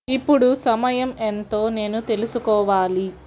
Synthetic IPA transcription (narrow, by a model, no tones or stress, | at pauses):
ipːuɽusɐmɐjɐme̞nt̪o̞ːne̞ːnut̪e̞lusukɔːʋaːli